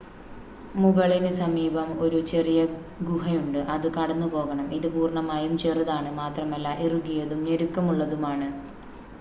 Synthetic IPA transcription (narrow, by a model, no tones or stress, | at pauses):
muɣɐɭinɨsɐmiːbɐmo̞ɾut͡ɕe̞rijɐ | ɡuɦɐjuɳɖɨʔɐðɨkɐɽɐnːupo̞ːɣɐɳɐmiðɨpuːrɳɐmaːjumt͡ɕe̞ːriðaːɳɨmaːt̪rɐmɐlːaʔiruɡijɐðumneɾukːɐmuɭːɐðumaːɳɨ